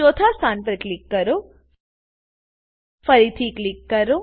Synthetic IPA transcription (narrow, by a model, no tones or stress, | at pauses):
oːt̪ʰasaːnpɐɾklikːɐɾu | fɐɾit̪ʰiklikːɐɾu